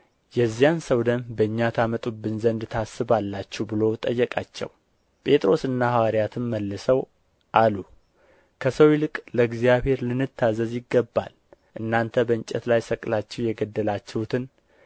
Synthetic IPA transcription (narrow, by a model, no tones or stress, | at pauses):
jɛzːijansəwd̪əmbəɨɲːat̪ʰamət̪ʼubːɨnzənd̪t̪ʰasɨβalːat͡ʃːɛbɨlo̞t̪ʼəjːɛkʼa̰t͡ʃːɛ̰w | pʼe̞t̪ʼɾo̞sɨnːahawaɾijat̪ʰɨnməlːɨsəw | ʔalu | kʰəsəwilɨkʼləɡzijaβhe̞ɾlɨnːɨt̪ʰːazəzjɪɡːəbːa̰l | ʔɨnːant̪ʰəbəɨnt͡ʃʼɛt̪lajsəkʼlat͡ʃːɛwjɛɡəd̪ːəlat͡ʃːɛwut̪ʰɨn